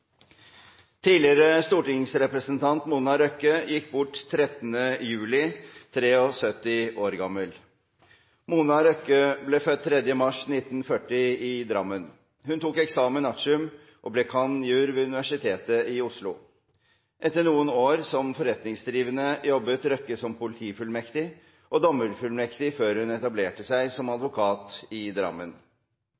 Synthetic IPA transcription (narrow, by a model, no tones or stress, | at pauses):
t̪ʰiːlɪɾəst̪uːʈɪŋsɾɛpɾəsənt̪ʰɑnt̪munɑɾœkːəjɪkːbʊʈːt̪ʰːɾɛt̪nəjʉːlɪt̪ʰɾeːɔsœt̪ːɪʔoːɾɡɑmːəl | munɑɾœkəblɛːfœt̪ʰːɾɛd̪jəmɑʂnɪt̪ːnfœʈːɪɪd̪ɾɑ̰mːən | hʉnt̪uːkɛksɑːmənɑʂʉm | ʔɔblɛkʰɑnjʉːɾʋɛːʉnɪʋæʂɪt̪ʰeːt̪əɪʊʂlʊ̰ | ʔɛt̪ːəɳuːənoːɾsɔmfɔɾɛt̪nɪŋsd̪ɾiːʋənəjɔbːət̪ɾœkːəsɔmpʊlɪt̪ʰiːfʉlmɛkt̪ɪ | ʔɔd̪ɔmːəɾfʉlmɛkt̪ɪføːɾhʉnɛt̪ɑbleːʈəsæɪsɔmɑd̪ʋʊkʰɑːt̪ɪd̪ɾɑ̰mːən